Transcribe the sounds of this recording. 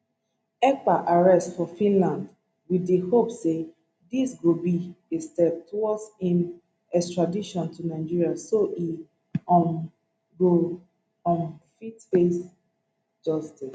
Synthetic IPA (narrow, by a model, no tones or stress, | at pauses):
ɛk͡paʔaɹɛstfɔfĩnlãnd | widehopse | disɡobiestɛd̚tʰuɔsĩn | ɛstɹadiʃɔ̃ntʰunaɪd͡ʒiɹiasoʔi | ɔ | ɡo | ɔ̃nfitfes | d͡ʒɔstis